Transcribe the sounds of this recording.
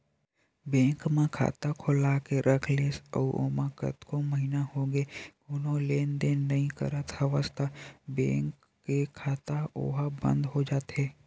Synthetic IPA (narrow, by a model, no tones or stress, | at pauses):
bẽːŋkmẽkʰa̰ːt̪akʰolakeɾʔəkʰleːsɔ̰ʔo̰ːmaːkə̰t̪koməɦinahoɡeɡʊnõleːnd̪enːəɦĩkə̰ɾət̪həʋəst̪ʰabḛ̃ːŋkː | ekʰaːt̪ao̰ɦabə̰̃nd̪ɦod͡ʒaːt̪ɦɛː